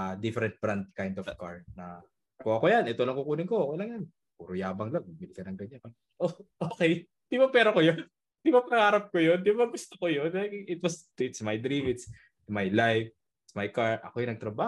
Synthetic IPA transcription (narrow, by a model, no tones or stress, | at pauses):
d̪ɪfɛɾɛnt̪̚bɾant̪̚kajnd̪ofkaɹnɐ | koɐkojanʔɛt̪o̞lɐŋkukuːlɪŋkoʔokɛjlɐŋjan | puɾʊjaːbɐŋloɡ̚mɐɡ̚bilɪkɐnɐŋɡɐɲanpɐ | ʔoʔoːkɛj | d̪̥ɪbapɛːɾokojon | d̪ɪbapɐɐŋaːɾɐp̚kojond̪ɪbaɡʊst̪okojonɐjɪt̪wɐs | ɪt̪smajd̪ɾimɪt̪s | majlajf | ɪt̪smajkaɹʔɐ̰kojnɐɡ̚t̪ɾɐbaː